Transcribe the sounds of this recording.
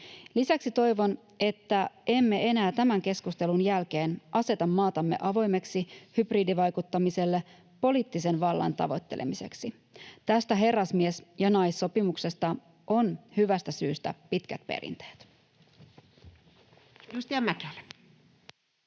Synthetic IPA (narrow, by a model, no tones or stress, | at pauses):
lisæksit̪o̞jʋo̞n | e̞t̪ːæʔe̞mːe̞e̞næːt̪æmæŋke̞skust̪e̞lunjælke̞ːnʔɑse̞t̪ɑmːɑːt̪ɑmːe̞̰ʔɑʋo̞jme̞ksihybriːdiʋɑjkut̪ːɑmise̞lːe | po̞liːt̪ːise̞nʋɑlːɑ̰nt̪ɑ̰ʋo̞̰t̪ːe̞lḛmise̞̰ksi | t̪æst̪æɦe̞rːɑsmiesjɑnɑjsːo̞pimukse̞st̪ɑ | ʔo̞nhyʋæst̪æsyːst̪æ̰pit̪kæ̰t̪pḛɾḭnt̪e̥ːt̪ | just̪iɑmækel